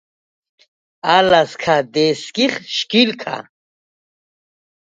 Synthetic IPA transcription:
alaskʰad̪eskiχʃkilkʰa̰

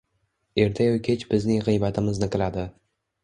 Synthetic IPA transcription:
e̞ɾt̪ʰajokʲʰet͡ʃbɪznɪŋʁɨjbat̪ʰɪmɪznɪqʰɨlˠad̪ɪ

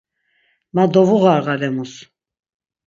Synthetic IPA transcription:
mad̪ɔvuɣaɾɣalɛmus

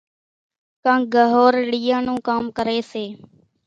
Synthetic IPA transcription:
kãːɡəɦoːɾɪɽijãːnũːkaːmkəɾeːseː

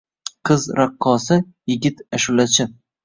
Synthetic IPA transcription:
qʰɨzɾaqʰːɒsɪ | jɪɡʲɪt̪aʃʊlat͡ʃʰɪ

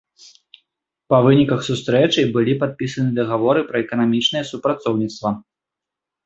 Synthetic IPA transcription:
pɐvɨnʲikɐxsust̪ɾɛt͡ʂɐjbɨlʲipat̪̚pʲisɐnɨd̪ɐɣavɔɾɨpɾɐɛkɐnamʲit͡ʂnɨjɛsupɾat̪sɔwnʲit̪st̪vɐ

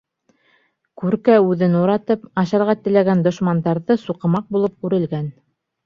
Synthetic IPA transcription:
kʉɾkæʉðɘnuɾɑt̪ɤpɑɕɑɾʁɑt̪ɘ̆læɡænd̪ŏʃmɑnd̪ɑɾðɤsuqɤ̆mɑq̚bulˠɤp̚kʉɾɘ̆lɡæn

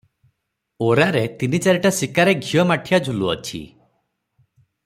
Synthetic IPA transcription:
oɾaɾet̪init͡ʃaɾiʈasikaɾeɡʱijɔmaʈʰijad͡ʒʱuluɔ̰t͡ʃʰḭ

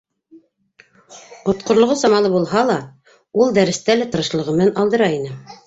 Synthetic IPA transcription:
qŏt̪̚qŏɾlˠŏʁɤsɑmɑlˠɤbulˠɦɑlˠɑ | ulˠd̪æɾɘ̆st̪ælæt̪ɤ̆ɾɤ̆ʃlˠɤ̆ʁɤ̆m̆nænɑlˠd̪ɤ̆ɾɑinɘ

